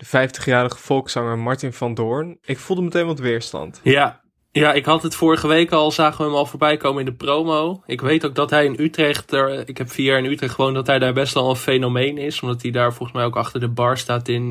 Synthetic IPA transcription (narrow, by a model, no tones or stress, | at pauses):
d̥əv̥ɛjftə̥χjaːɾəχəfɔlˠksɑŋəmɑɹtɪnfɑndʊːɹnɪkfulˠdəmətejnʋɔtʋɪːɹstɑ̰ntja | jaɪkɦɑtətfʊːɹəχəʋejkɑlˠzaːχəʋəɦəmɑlˠvʊːɹbɛjkowməɪndəprowmowɪkʋejtok̚dɑtɦɛjɪnytrɛχtəɹɪkɦɛpfiːaːɹɪnytrɛχtχəʋowndɑtɦɛjdaːɹbɛstʋɛlˠənfejnomejnɪsɔmdɑtɦidaːɹvɔlˠχəsmɛjowkɑχtəɹdəbɑɹstaːtɪn